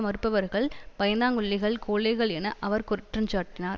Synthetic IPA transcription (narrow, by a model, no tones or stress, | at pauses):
mɐɾɯpːɐʋɐɾɣɐɭpɐjɐnaːŋɡɯɭːɪɣɐɭkʰoːɭɐɪɣɐɭɛnɐʔɐʋɐɾkʊɾɪʈrɐmt͡ʃaːʈːɪnaːɾ